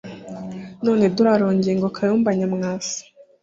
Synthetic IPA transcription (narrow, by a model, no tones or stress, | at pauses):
no̞ːneduɾaɾoːɲɟieŋɡokʰajuːmbaɲamŋaːfu̥